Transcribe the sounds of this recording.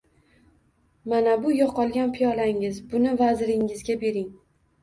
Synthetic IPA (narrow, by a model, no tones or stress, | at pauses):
manabʊjɒqʰɒlˠɡʲanpʰijɒlaŋɪzbʊnɪvazɾɪŋɪzɡʲabe̞ɾɪŋ